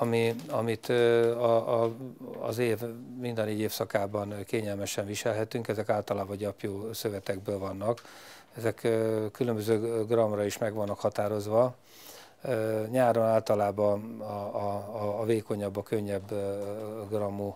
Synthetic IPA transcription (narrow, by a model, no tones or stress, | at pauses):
ɒmiɒmit̪ɒ | zeːvmind̪ɒneːɟeːfsɒkaːbɒnkeːɲɛlmɛʃɛnviʃɛlɦɛt̪yŋkɛzɛkaːlt̪ɒlaːbɒɟɒpjoːsøvɛt̪ɛɡbøːlvɒnːɒk | ɛzɛkkːylømbøzøːɡrɒmrɒiʃmɛɡvɒnːɒkhɒt̪aːɾo̞zʋɒ | ɲaːɾonaːlt̪ɒlaːbɒ | veːko̞ɲɒbːɒkø̞ɲːɛbː | ɡrɒmːu